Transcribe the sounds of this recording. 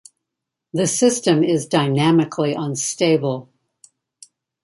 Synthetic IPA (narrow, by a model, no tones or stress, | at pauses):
ðɨsɪstɨ̃mɪzdaɪnæmɨkʰliʔə̃nsteɪbl̩ˠ